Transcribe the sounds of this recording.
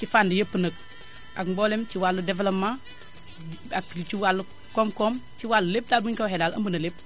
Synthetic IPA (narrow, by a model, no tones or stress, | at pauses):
t͡ʃifandijəpːənɐk̚ | a̰kbolemt͡ʃiwaludevelopma | akt͡ʃiwalːu | komkomt͡ʃiwalːulep̚dalmuɲkaɦedalɐ̰mbunɐlep̚